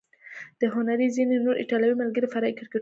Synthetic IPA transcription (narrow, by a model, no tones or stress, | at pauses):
d̪̥əɦʊnaɾizinenoɾʔɪ̰ʈɑlawimalɡəɾefaɾɑikɪɾke